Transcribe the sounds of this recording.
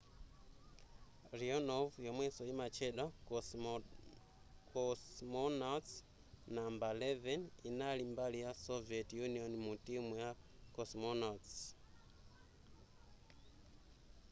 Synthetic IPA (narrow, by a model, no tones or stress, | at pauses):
rionovjomwesojimat͡ʃeɗa | kosmona | nambaleveninalimbalijasovietjunionmutimuja | kosmonat